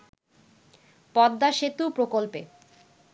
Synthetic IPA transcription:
pɔd̪ːaʃet̪upɾokolpe

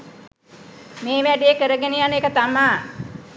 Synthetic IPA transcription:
meːʋæɖeekəɾəɡenijaneːkət̪amaː

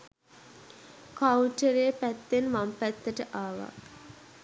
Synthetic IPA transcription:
kawʈəɾeːpæt̪ːenʋampæt̪ːəʈəʔaːʋa̰k

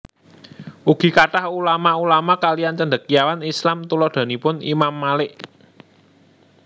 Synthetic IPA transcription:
ʔuɡ̥i̤kaʈahulamaulamakaliant͡ʃəɳɖ̪ə̤k̚jawanislamt̪ulɔd̪̥a̤nipʊnḭmamːalɪʔ

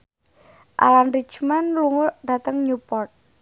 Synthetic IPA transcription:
ʔa̰lanri̥t͡ʃmanluŋʊd̥a̤t̪əŋɲupɔt̪̚

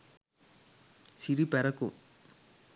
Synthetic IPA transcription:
siɾipɛɾɐkṵ

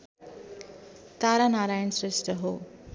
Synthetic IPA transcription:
t̪aːɾanaːɾaːjənsɾɪsʈəɦoː

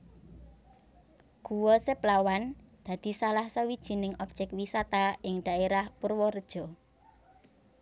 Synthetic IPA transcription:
ɡ̥uwɔseplawand̪̥a̤d̪̥i̤salahsawid̥ʒ̥i̤nɪŋɔp̚ʒ̥ɛkwisat̪aɪŋd̪̥a̤eɾahpurwɔrd̥ʒ̥ɔ̤

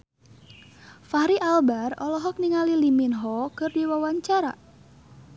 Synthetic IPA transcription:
fahɾiʔalbarɔlɔɦɔk̚niŋaliliminɦɔkɨrdiwawaɲt͡ʃaɾa̰

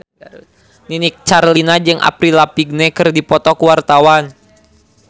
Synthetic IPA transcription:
ninik̚t͡ʃarlinad͡ʒɨŋʔa̰pɾilapiɡ̚nɛkɨrdipɔt̪ɔkuwart̪awan

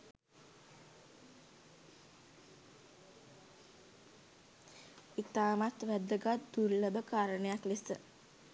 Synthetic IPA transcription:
it̪aːmat̪ʋæd̪əɡat̪d̪uɾləbəkaːɾənəjaklisə

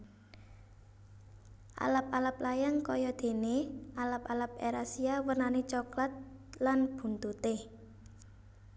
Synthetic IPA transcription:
ʔa̰lap̚alaplajaŋkɔjɔd̪̥e̤nealapalap̚eɾasiawərnanet͡ʃɔklat̪̚lanb̥ṳnt̪ut̪e

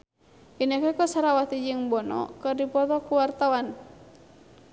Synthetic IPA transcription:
inɛkɛkɔsaɾawat̪id͡ʒɨŋbɔnɔ̰kɨrdipɔt̪ɔkuwart̪awan

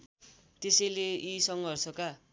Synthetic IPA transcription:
t̪esʌjleisʌŋɡʱʌrsʌka

